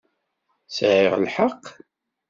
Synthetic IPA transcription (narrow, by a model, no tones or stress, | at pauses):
sʕɪʁlħaqː